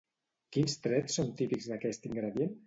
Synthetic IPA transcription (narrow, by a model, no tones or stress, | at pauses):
kinst̪ɾɛsːont̪ipikzðakɛst̪iŋɡɾəðjen